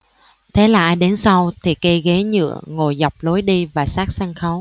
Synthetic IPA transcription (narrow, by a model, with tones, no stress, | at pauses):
t̪ʰe˨˦laː˨˩ʔaː˧jɗe˨˦nsa˧wt̪ʰi˨˩kə˧ɣe˨˦ɲɨ̰˧˨əŋo˨˩jza˨˩wk͡p̚lo˨˦jɗi˧vaː˨˩saː˦˥k̚saː˧ŋxə˨˦w